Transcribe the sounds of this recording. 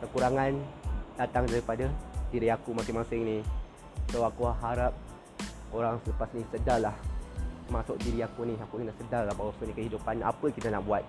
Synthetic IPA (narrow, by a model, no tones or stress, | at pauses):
kəkuɾaŋandat̪aŋdaɾipadadiɾiakumasɪŋmasɪŋnih | tawakuaɦaɾap̚ | oɾaŋsələpasnisədalaht̪əmasʊk̚diɾiakuniakunidaʔsədalahbawasənikəɦidupana̰pəkit̪anaʔbuat̪̚